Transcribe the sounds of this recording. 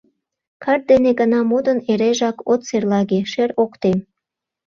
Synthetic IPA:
kʰɑr̚d̪eneɡənɑmod̪əneɾeʒɑkot̪serlɑɣeʃeɾokt̪em

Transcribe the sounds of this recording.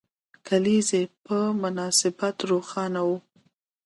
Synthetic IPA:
kʰalizepəmʊnɑsɪbat̪ɾoxɑnawu

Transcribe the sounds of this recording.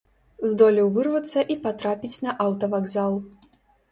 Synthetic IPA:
zd̪ɔlʲiwvɨrvɐt̪sːɐʔipat̪ɾapʲit͡sʲnɐʔawt̪ɐvaɡzalˠ

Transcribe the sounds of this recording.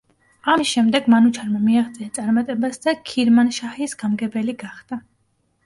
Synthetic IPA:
amisʃɛmd̪ɛɡmanut͡ʃʰaɾmamiaχt̪sʼiat̪sʼaɾmat̪ʼɛbasd̪akʰiɾmanʃahɛisɡ̥amɡɛbɛliɡaχd̪a

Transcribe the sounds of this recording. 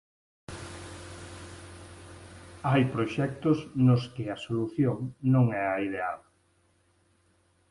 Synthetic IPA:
ajpɾoʃɛk̚t̪osnʊskɪɐsoluθjoŋnõŋɛɐiðeal

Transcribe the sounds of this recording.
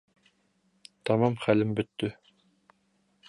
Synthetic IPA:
t̪ɑmɑmχælɘmbɵt̪ːɵ

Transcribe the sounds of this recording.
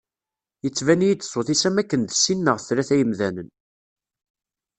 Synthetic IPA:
jət͡sːvænijit͡s̪ːə̥sˤoθisæmækːənd̪sinːəʁθɾæθæjəmðænən

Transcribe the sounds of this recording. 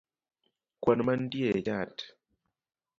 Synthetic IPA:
kwanmandied͡ʒat

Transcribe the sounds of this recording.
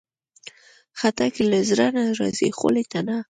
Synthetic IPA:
xat̪akelazɾanaɾɑ̰zḛxo̰let̪ana

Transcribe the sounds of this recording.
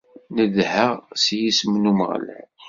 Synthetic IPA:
nəðhəʁsjisəmnumə̰ʁ̰læ̰n

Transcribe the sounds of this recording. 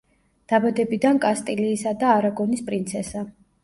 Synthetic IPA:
d̪̥abad̪ɛbid̪ankʼast̪ʼiliːsad̪aːɾaɡɔnispʼɾint̪sʰɛsa

